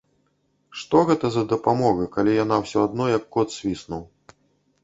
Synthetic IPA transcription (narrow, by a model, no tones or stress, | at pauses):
ʂt̪ɔɣɛt̪ɐzɐd̪ɐpamɔɣɨkalʲijan̪awsʲɔad̪̚nɔjɐkːɔt̪sʲvʲisnuw